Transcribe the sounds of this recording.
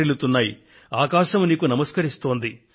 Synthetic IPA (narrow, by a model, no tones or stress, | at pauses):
elut̪unːaːji | aːkaːʃɐmuniːkunɐmɐskɐɾist̪o̞ːnd̪i